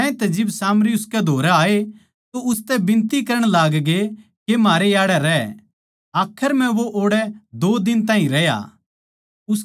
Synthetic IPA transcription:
ɛ̃ẽt̪ɛd͡ʒɪbsaːmɾiʊskɛd̪ʱoːɾaaːe | t̪oʊst̪ɛbɪ̃nt̪ikɐɾəɽ̃laːɡɡe | kemaːɾejaːɽɛɾɛ | aːkʰəɾm̤ɛ̃ʋoʔoːɽɛd̪oːd̪ɪnt̪ãːɦĩɾɛja̰ | ʊs

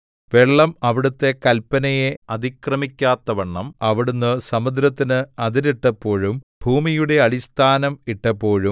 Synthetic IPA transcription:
ʋe̞ɭːɐmɐʋiɽut̪ːe̞kɐlpːɐnɐjeɐd̪ʱikrɐmikʲːaːt̪ːɐʋɐɳːɐmɐʋiɽunːɨsɐmud̪ɾɐt̪ːinɨɐd̪iɾiʈːɐpːo̞ːɻumbʱuːmijuɽe̞ɐɭist̪ʰaːnɐmiʈːɐpːo̞ːɻum

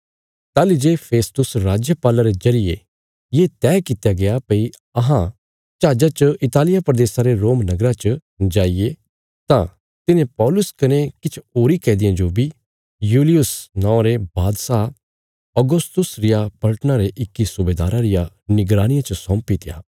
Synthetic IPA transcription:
t̪aːlid͡ʒeːpʰeːst̪ʊsɾaːd͡ʒjəpaːlaɾezɐɾɪje | jeːt̪ɛːkɪt̪jaɡejapɐi | ɐɦã | t͡ʃaːd͡ʒat͡ʃəɪt̪aːlɪjapɾɐd̪eːsãɾeɾoːmnɐɡɾat͡ʃə | d͡ʒaːije | t̪ã̰ | t̪ɪnẽpɔːlʊskɐnekɪt͡ʃʰoːɾikɛ̃ːd̪ɪjãd͡ʒobʱi | juːlɪjʊsnɔ̃ːɾebaːd̪sa | ɔɡʊst̪ʊsɾɪjapɐlʈənaɾeʔɪkːisʊbeːd̪aːɾaɾɪja | nɪɡɾaːñɪjãt͡ʃɐsɔ̃ːmpit̪ʰɪja̰ː

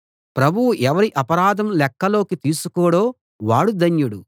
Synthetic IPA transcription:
pɾɐbʱuwuʔɛʋɐɾiʔɐpɐɾaːd̪ʱɐmlɛkːɐlo̞ːkit̪iːsukɔːɽoː | ʋaːɽud̪ɐnjuɽu

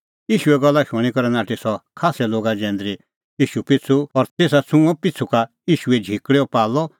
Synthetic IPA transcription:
jiːʃuɛɡɔlːaʃʊ̃ikɔɾɛnaːʈisɔkʰaːsɛloːɡad͡ʒɛ̃ːnd̪ɾi | iːʃupɪt͡sʰuɔɾt̪eːs̬at͡sʰũɔ̃pɪt͡sʰuka | iːʃuɛd͡ʒʱikɽɛɔpaːlɔ

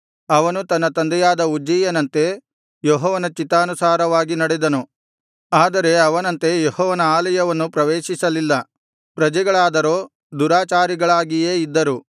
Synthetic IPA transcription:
ɐʋɐnut̪ɐnːɐt̪ɐnd̪ɛjaːd̪ɐud͡ʒijɐnɐnt̪e̞ | joɦɔːʋɐnɐt͡ʃit̪ːaːnusaːɾɐʋaːɡinɐɽed̪ɐnu | aːd̪ɐɾe̞ɐʋɐnɐnt̪e̞johɔːʋɐnɐaːlɐjɐʋɐnːupɾɐʋeːʃisɐlilːɐ | pɾɐd͡ʒɐɡɐɭaːd̪ɐɾoː | d̪uɾaːt͡ʃaːɾiɡɐɭaːɡijeːid̪ːɐɾu

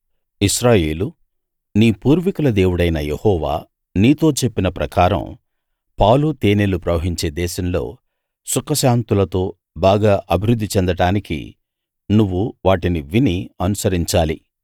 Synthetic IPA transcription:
iʃɾaːje̞ːlu | niːpuːɾʋikulɐd̪e̞ːwuɽɐjnɐjehɔːʋa̰ː | niːt̪o̞ːt͡ʃe̞pːinɐpɾɐkaːɾɐ̰m | pɐːwlut̪eːneːlupɾɐʋɐɦiɲt͡ʃe̞ːd̪ɛːʃɐmlo̞̰ː | sukɐʃaːnt̪ulɐt̪o̞ː | baːɡaːʔɐbʱiɾud̪ʱːit͡ʃɛnd̪ɐʈaːnikḭ | nuʋːuʋaːʈiniʋiniɐnusɐɾiɲt͡ʃaːlḭ

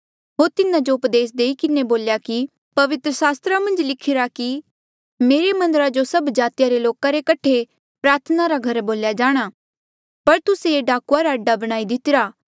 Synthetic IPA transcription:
ɦoːɾt̪ɪnãd͡ʒoʊpd̪eːs̬d̪eːikɪneboːljaki | pɐʋɪt̪ɾəsaːst̪ɾamɐ̃nd͡ʒlɪkʰɪɾaki | meːɾemɐ̃nd̪əɾad͡ʒosɐbd͡ʒaːt̪ɪjaɾeloːkaɾekɐʈʰe | pɾaːɾt̪ʰənaɾaɡʱɐɾboːljad͡ʒaːɽ̃aː | pɐɾt̪ʊseeɖaːkuaɾaɐɖːabɐɽ̃aːid̪ɪt̪ɪɾaː

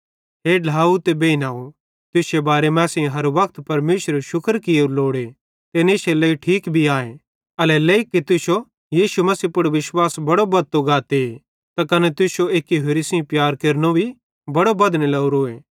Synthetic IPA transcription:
ɦeːɖʱaːut̪ebeːinaːo | t̪ʊsebaːɾemɛ̃ːsɪ̃ɦɐɾʋɐk̚t̪pɐɾmeːʃəɾʃʊkəɾkɪjeɾloːɽe | t̪eneseleiʈʰiːkbʱiaːẽ | ɐlɛleːikːit̪ʊʃo | jiːʃumɐsiːpʊɽʋɪʃwaːsbɐɽobɐt̪ːoɡaːt̪ee | t̪akɐnɛt̪ʊʃoeːkiɦeɾisĩpjaːɾkeɾnobʱi | bɐɽobɐd̪nelɐuɾoːeː

